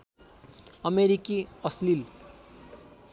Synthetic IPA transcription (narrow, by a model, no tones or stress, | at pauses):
ʌmeɾikiʌslil